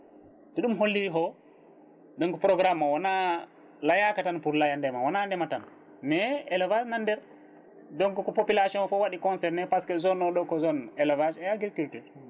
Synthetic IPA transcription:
tɛɗumɦolːiɦɔ | dɔŋkɔpɾɔɡɾamːawana | lajakatanpuɾlajandɛmawanandɛmatan | mɛɛlavasnandɛɾ | dɔŋkɔkɔpopilasiɔ̃nfɔwaɗikɔnsɛɾnɛpaskɛzɔnɔɗɔkɔzɔnɛlavaʃɛjaɡiɾkultuɾ

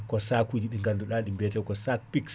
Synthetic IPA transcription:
kɔsakud͡ʒiɗiŋɡanduɗalɗimbɛtɛwkɔsak̚piks

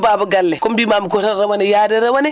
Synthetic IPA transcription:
baːbuɡalːekombimamukotaɾawanejadeɾawane

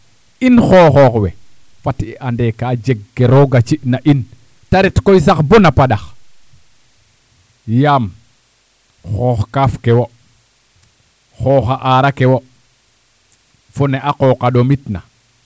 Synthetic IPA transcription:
inxoːxɔːxwḛ | fatiʔandekaːd͡ʒeɡːeɾoɡat͡ʃiʔnaʔin | taɾitkojs̬axbonapaɗax | jaːm | xoːxkafkewo | xoːxaʔaɾakewo | funeʔaqokaɗomitna̰

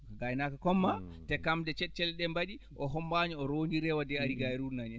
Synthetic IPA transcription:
ɡajnakakɔmːatɛkamdɛt͡ʃɛt̚t͡ʃɛlɗɛmbaɗi | ʔɔɦɔmbaɲiɔɾondiɾɛwadɛaɾiɡaɾuɾnaɲɛ

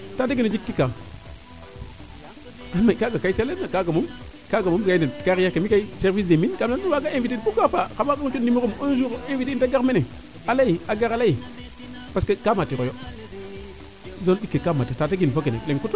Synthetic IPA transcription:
tateɡined͡ʒik̚tikːa | amaikaɡakaiselenːakaɡamumkaɡamumkanekaɾjakamikaiseɾvis̬deminkamlaniwaɡaenvitipukafakamakaŋt͡ʃennimukumonzuɣenviteintaɡamene | alajiaɡaɾalai | paskakamatːikojo | zondikːekamatːitat̬eɡinfokenḛleŋkuto

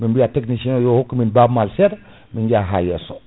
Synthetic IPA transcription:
minbijatekniʃinojohokːuminbabmalseɾ | miɲd͡ʒaɦa̰jeso

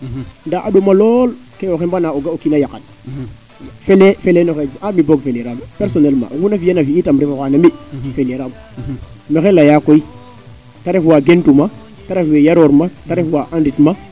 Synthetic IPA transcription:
ndaaɗomalɔlkeoxembanaoɡaokinajakat̚ | felefelenɔxed͡ʒamiboɡfeleɾampɛɾsɔnɛlma̰ŋunafijanafiːtamɾɛfaxanamifeleɾam | mexelajakoi | taɾefwaɡentuma | taɾefwejaɾoɾmataɾefwaʔanditma

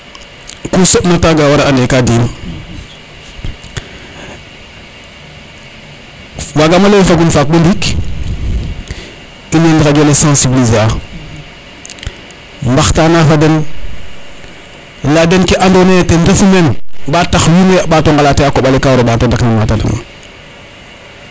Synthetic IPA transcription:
kusopnataɡawaɾaandekadin | waɡamalowifaɡunfak̚ɓundik | inendiɣaɡolesãnsibizea | mbaxtanafaden | ladenkeʔandonetendefumenɓataxwineaɓatoŋɡalateakoɓalekawɾoɓatondaknamatada̰na̰

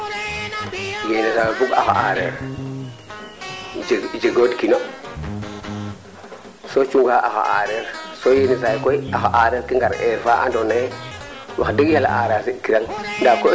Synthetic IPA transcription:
jenisajbuɡa̰xa̰ʔaɾḛɾ | d͡ʒeɡodkino | sot͡ʃuŋɡaʔaxa̰a̰ɾeɾsojenis̬ajkojaxaʔaːɾeɾkiŋɡaɾeɾfaʔa̰ndɔnaj | wʔa̰xdəɡjala̰ʔaːɾasikiɾaŋndako

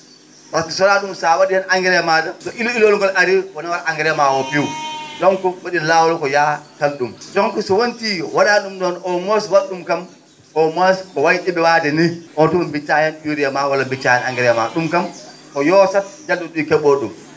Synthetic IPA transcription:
watisɔɾaɗumsawaɗijɛnaŋɡɛɾjamadamtɔʔililoluŋɡɔlʔaɾiwɔnawaɾʔaŋɡɛɾjɛmawɔpiwdɔŋkɔwaɗilawɔlɔkɔjakalɗumd͡ʒɔŋkɔsɔwontiwaɗaɗumɗɔnʔɔmoswaɗumkam | ʔɔmoskɔwajɗiɓɛwaːdɛniʔɔntumambit͡ʃːajɛnɗuɾijamawalabit͡ʃːajɛnaŋɡɛɾjɛma̰ɗumkamkɔjɔːsat̚d͡ʒalduɗukɛɓoɗum

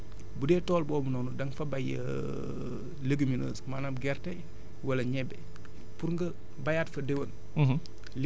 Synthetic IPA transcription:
budɛːtɔːlbɔːbunɔnudɐŋfɐbajə̰ | ləɡəminə̰smanamɡɛrtɛ | wɐlɐɲɛbːɛ | puɾŋɡɐ | bɐjatfɐdewən | l

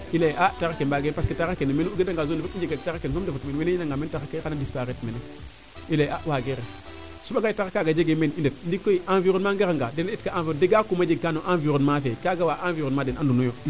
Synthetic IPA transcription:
ileʔataɣakebaɡenpasketaɣakenmenuuɡedaŋɡazonifeid͡ʒeɡataakensomdefutmeweneinaŋɡamentaxakekanadispaɾetmeno | ilejawaɡeɾe | subaɡaitaakaɡad͡ʒeɡemenidet̚ndikːoiʔanviɾonmaŋɡeaŋɡadenitkaʔãvideɡakumad͡ʒeɡ̚kanoʔanviɾonmafekaɡawaʔanviɾonmadenandunojo

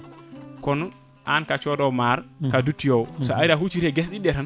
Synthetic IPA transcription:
kɔn | ʔankat͡ʃɔdɔwmaɾkadutːijowsaajɾaɦut͡ʃiɾeɡes̬ɗiɗɛtan

